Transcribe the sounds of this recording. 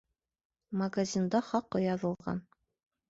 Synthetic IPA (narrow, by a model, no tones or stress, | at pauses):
mɐɡazʲind̪ɑχɑqːɤjɑðɤ̆lˠʁɑ̰n